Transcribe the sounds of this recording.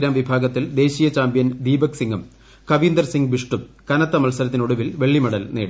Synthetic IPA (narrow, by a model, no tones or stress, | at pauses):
ɾaːmʋibʱaːɡɐt̪ːild̪e̞ːɕiːjɐt͡ɕaːmbjɐnd̪iːbɐksiŋɡɐm | kɐʋiːnd̪ɐrsiŋɡbiʂʈu | kɐnɐt̪ːɐmɐlsɐɾɐt̪̬ːino̞ɽuʋilʋe̞ɭːimɐɽɐlneːɽi